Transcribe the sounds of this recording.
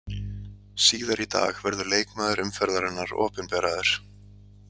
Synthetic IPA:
siːðaɾit̪a̰ːɣvɛɾðʏleːjkmaːðʏɾʏmfɛɾðaɾɪnːaɾɔ̰ːpʏnpɛːɾaðɪɾ̥

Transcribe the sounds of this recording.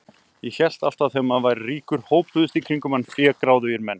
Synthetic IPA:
jɛçɛl̥t̪aft̪aθeːmaðvaːjɾriːkʏɾ̥hoːwpʏðʏst̪ikʰɾiŋkʏmanːfjɛːkɾaːwðʏjɪɾmɛnː

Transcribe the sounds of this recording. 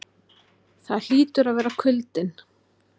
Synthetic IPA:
θaðl̥iːt̪ʏɾaðvɛːɾakʰʏlt̪ɪn

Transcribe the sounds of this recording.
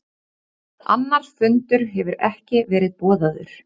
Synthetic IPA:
a̰nːaɾ̥fʏnt̪ʏɾ̥ɦɛvʏɾɛhcɪvɛːɾɪðpɔːðaðʏ̰ɾ̥

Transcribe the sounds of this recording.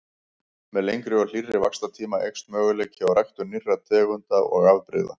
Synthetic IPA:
mɛðlejŋkɾʏɔl̥irːɪvakst̪at̪ʰiːmaʔejkst̪mœːɣʏlejcɪawrajxt̪ʏnirːat̪ʰɛːɣʏnt̪aɔ̰ɣavpɾɪ̰ða̰

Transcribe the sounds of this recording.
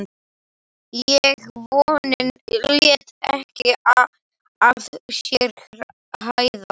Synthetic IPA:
jɛɣvɔːnɪnljɛt̪ɛ̰hcɪað | aθsjɛɾ | hajða

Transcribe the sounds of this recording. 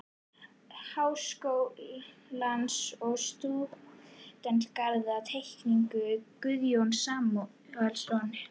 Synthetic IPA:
haːwskowilansɔɣst̪u | t̪ɛnt̪kaɾðat̪ʰejhkniŋkʏkʏðjownsaːmɔ | alsɔnɪ̥

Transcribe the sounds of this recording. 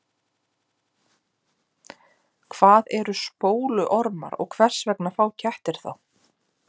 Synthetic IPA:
kʰv̥aːðɛɾʏspoːwlʏʔɔɾma̰ɾɔ̰ɣkʰvɛr̥svɛknafaːwcʰɛht̪ɪɾ̥θa̰w

